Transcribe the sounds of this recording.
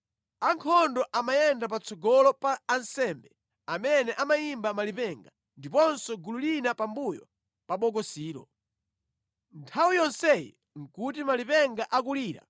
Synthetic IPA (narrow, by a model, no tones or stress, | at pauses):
aŋkʰɔndɔʔamajɛndapat͡sɔɡɔlɔpaːnsɛmbɛ | amɛnɛʔamajimbamalipɛŋɡa | ndipɔnsɔɡululinapambujɔ̰ | paɓɔkɔsiːɾɔ̰ | ntʰawujɔnsɛjḭ | ŋ̩kutimalipɛŋɡaʔak̬uliːɾa̰